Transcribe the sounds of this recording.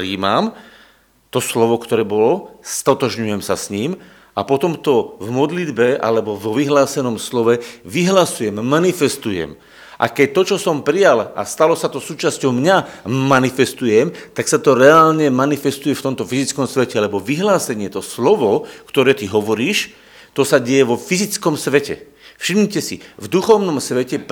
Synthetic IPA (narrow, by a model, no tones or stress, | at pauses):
pɾiːmam | t̪ɔslɔʋɔkt̪ɔɾɛːbɔlɔst̪ɔt̪ɔʒɲujɛmsasɲiːm | apɔt̪ɔmt̪ɔvmɔd̪lid̪bɛʔa̰lɛbɔvɔʋiɦlaːsɛnɔmslɔʋɛʋiɦlasujɛmːanifɛst̪ujɛ̰m | ʔa̰kɛc̚t̪ɔt͡ʃɔsɔmpɾijala̰st̪alɔsat̪ɔsuːt͡ʃascɔʊmɲamanifɛst̪ujɛmt̪aksat̪ɔɾɛaːlɲɛmanifɛst̪ujɛft̪ɔmt̪ɔfizit͡skɔmsʋɛcɛalɛbɔʋiɦlaːsɛɲɪɛt̪ɔslɔʋɔkt̪ɔɾɛːt̪iɦɔʋɔɾiːʃ | t̪ɔsaɟɛjɛʋɔfizit͡skɔmsʋɛcɛ̰ | fʃimɲcɛsḭvd̪uxɔʋnɔmsʋɛcɛ